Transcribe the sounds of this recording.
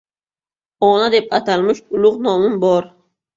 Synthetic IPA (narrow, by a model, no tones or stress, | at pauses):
ɒnad̪ep̚at̪ʰalmɪʃʊlˠʊʁnɒmɪnbɒɾ